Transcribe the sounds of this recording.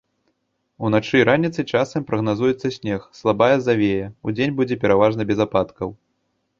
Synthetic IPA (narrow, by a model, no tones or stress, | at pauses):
unat͡ʂɨɾanʲit̪sɨt͡ʂasɐmpɾɐɣnazujɛt̪sːɐsʲnʲɛxslˠabajɐzavʲejɛud͡zʲenʲbud͡zʲɛpʲɛɾavaʐnɐbʲɛzapat̪kɐw